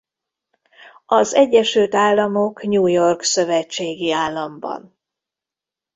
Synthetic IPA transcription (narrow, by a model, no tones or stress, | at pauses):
ɒzɛɟːɛʃylt̪aːlːɒmo̞kɲuːjo̞rksø̞vɛt͡ʃːeːɡiaːlːɒmbɒ̰n